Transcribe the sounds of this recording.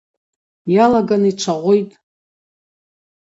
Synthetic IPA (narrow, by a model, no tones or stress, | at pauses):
jalaɡanit͡ʃʷʰaʁʷojtʼ